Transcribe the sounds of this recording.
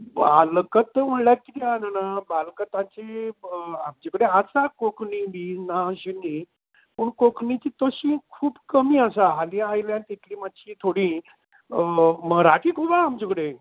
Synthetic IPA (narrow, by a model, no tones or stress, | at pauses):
balkət̪məɳlakit̪iananabalkət̪ãt͡ɕe | amd͡ʑikəɽeasakokʰɳibinaɕeni | pəɳkokɳit͡ɕiːt̪əɕĩːkʰuːbkəmiːəsaɦalijaːjljãnt̪it̪ʰliːmat̪ːɕʰiːt̪ʰoɽĩː | məɾakiːkʰubaːmd͡ʑikəɽe